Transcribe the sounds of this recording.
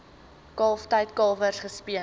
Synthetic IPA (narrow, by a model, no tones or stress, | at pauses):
kɑːftɐjtkɑːvərsχəspiə